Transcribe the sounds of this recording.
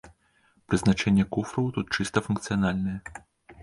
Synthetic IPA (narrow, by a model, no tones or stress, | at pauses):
pɾɨznat͡ʂɛnʲːɛkufɾɐwt̪ut̪̚t͡ʂɨst̪ɐfunkt̪sɨjanalʲnɨjɛ